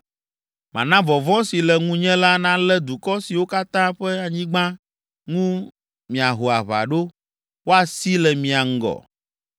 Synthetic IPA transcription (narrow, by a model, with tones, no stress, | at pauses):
mã̰˨nã˦vɔ˨vɔ̃˦si˨lɛ˨ŋũ˦ɲɛ̃˦la˦nã˦lɛ˦d̪u˨kɔ˦si˨wo˦ka˦t̪ã˦ɸɛ˦a˨ɲĩ˦ɡ͡bã˦ | ŋũ˦ | mĩ˨a˨ɦo˨a˨βa̰˨ɖo˦ | wo˦a˨si˦lɛ˨mĩ˨a˨ŋ̩˦ɡɔ̰˨